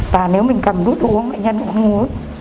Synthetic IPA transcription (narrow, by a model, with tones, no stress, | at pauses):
t̪aː˨˩ne˨˦wmï˨˩ŋ̟kə˨˩mɗu˨˦˥t̪̚ʔu˨˦əŋma̰ː˧˨jɲə˧nka̰˧˩˧ŋ˦ŋu˨˦